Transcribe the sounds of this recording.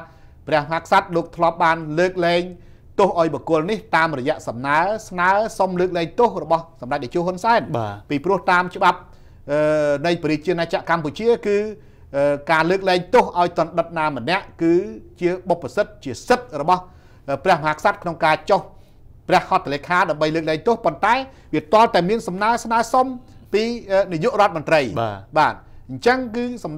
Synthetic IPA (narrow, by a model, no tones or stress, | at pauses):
prɛ̆əhmɔɦakʰsat̪̚loːk̚t̪ʰlŏəp̚ɓaːnləːk̚lɛːŋ | t̪ʊhʔaɔjɓɔkʊ̆əlniht̪aːmrɔjɛ̆əʔsɑmnaəsnaəsomləːk̚lɛːŋt̪ohrɔɓɑhsɑmrac̚ɓat͡ɕuːhonsaɛnapiːprʊ̆əht̪aːmt͡ɕə̆ɓap̚ | ʔəːnɨjpɔɾiːt͡ɕiənaːt͡ɕaʔkamput͡ɕiəkɨː | ʔəːkaːləːk̚lɛːŋt̪ohʔaɔjt̪ŏənɗət̪̚naːmənɛ̆əʔkɨːt͡ɕiəɓopːasɨt̪̚t͡ɕiəsɨt̪̚rɔɓɑh | ʔəːprɛ̆əhmɔhaːkʰsat̪̚kʰnoŋkaːt͡ɕoh | prɛ̆əhkʰɑt̪ʰːəleːkʰaːɗaəmɓəjləːk̚lɛːŋt̪ŏhpont̪aɛ | ʋiət̪ŏəlt̪aɛmiənsɑmnaəsnaəsom | piːənijuʔrŏət̪̚mʊnt̪rəjaːɓaːt̪̚ɲt͡ɕəŋkɨːsɑm